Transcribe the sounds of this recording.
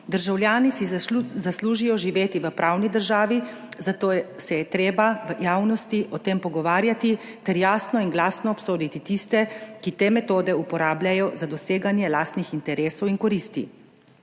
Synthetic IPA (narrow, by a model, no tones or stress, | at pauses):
d̪əɾʒawljaːnisizasluːʒijɔʒiʋeːt̪iʋəpɾʔaːwnid̪əɾʒaːʋi | zat̪oːjsɛjɛt̪ɾeːbaʋəjaːwnɔst̪iʔɔt̪eːmpɔɡɔʋaːɾjat̪i | t̪ɛɾjaːsnɔinɡlaːsnɔːpsoːd̪it̪it̪ist̪ɛkit̪eːmɛt̪oːd̪ɛupɔɾaːblʲjajɔzad̪ɔseːɡanjɛlaːst̪nixint̪ɛɾeːsɔwinkɔɾist̪ḭ